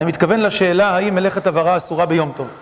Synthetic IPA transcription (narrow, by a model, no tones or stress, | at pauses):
imit̪kave̞nlaʃe̞ːlahaimːele̞χet̪avaʁaːsuʁabejo̞mt̪o̞v